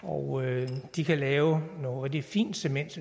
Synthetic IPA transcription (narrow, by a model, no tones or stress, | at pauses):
ɒʊød̥ikʰælɛːʊno̝ːð̩ˠd̥efḭːnd̥semen̰d̥